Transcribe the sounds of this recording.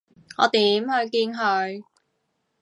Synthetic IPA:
ŋɔ̰ː˨˧t̪iː˨˧˥mhɵ˧ɥkiː˧nɦɵ˧ɥ

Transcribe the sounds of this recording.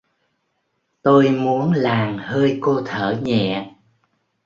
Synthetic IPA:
t̪o˧jmu˨˦ənlaː˨˩mhəː˧jko˧t̪ʰəː˧˩ɲɛ̰˧˨

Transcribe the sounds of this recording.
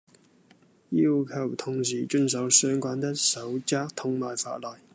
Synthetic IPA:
jiː˧˥wkʰɐ˨˩wt̪ʰʊ˨˩ŋsiː˨˩t͡ʃɵ˧ns̬ɐ˨˥wsœː˥ŋkʷwaː˧˥nt̪ɐ˥k̚sɐ˨˥wt͡saː˥k̚t̪ʰʊ˥ŋmaː˨jfa̰ː˧˨t̚lɔː˨˩j

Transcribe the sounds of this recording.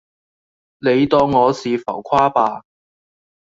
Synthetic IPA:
ne˨˧jt̪ɔː˧ŋːɔː˨˧siː˨˧fɐ̰˨˩wkʷʰwaː˥paː˧

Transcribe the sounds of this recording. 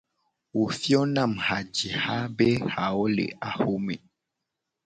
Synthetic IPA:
wo˨fjɔ˦na˦˨mha˨d͡ʒi˨ha˦be˦ha˨ɔ˦lḛ˨ʔa˨ho˦mḛ˨

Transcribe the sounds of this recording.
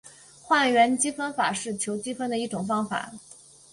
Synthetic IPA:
xwa˥˩nɥɛ˧˥nt͡ɕi˥fə˥nfa˨˩ʂɻ̩˥˩t͡ɕʰjo˧˥ʊt͡ɕi˥fə˥nd̪ə˨i˥˩ʈ͡ʂʊ˨˩ŋfɑ˥ŋfa̰˨˩˦

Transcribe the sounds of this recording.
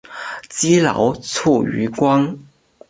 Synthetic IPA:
t͡ɕi˥lɑ̰˧˥ʊt͡sʰu˥˩y̰˧˥kwɑ˥ŋ

